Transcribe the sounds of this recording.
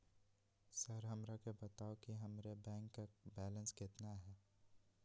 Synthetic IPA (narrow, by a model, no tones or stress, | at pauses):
səɾɦɐmɾakebɐt̪aːokiɦɐmɾebɛ̃ːŋkːabɛːlə̃nskɪt̪naɦɛː